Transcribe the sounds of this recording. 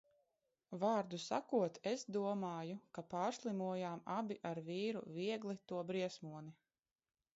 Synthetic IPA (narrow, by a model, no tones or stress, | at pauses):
vaːɾd̪usa̰kuɔt̪ʰesd̪uɔmaːjukapaːɾslˠimuɔjaːmabʲiʔaɾviːɾṵviɛɡlˠit̪uɔbɾiɛsmuɔni